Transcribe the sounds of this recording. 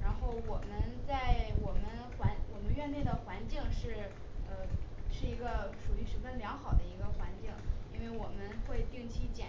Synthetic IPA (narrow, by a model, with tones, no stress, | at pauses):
ɻa˧˥nxo˥˩ʊwɔ˨˩mə˦nt͡sa˥˩ɪwɔ˨˩mə˦nxwa˧˥nwɔ˨˩mə˦nɥɛ˥˧nljɛ˥˩d̪ə˩xwa˧˥nt͡ɕi˥˧ŋʂɻ̩˥˩ | ə˧ʂɻ̩˥˩i˧˥ɡə˧ʂu˨˩y˥˩ʂɻ̩˧˥fə˥nljɑ˧˥ŋxɑ˨˩ʊd̪ə˦i˧˥ɡə˧xwa˧˥nt͡ɕi˥˩ŋi˥nwe˥˩ɪwɔ˨˩mə˦nxwe˥˧ɪt̪i˥˩ŋt͡ɕʰi˥t͡ɕjɛ˨˩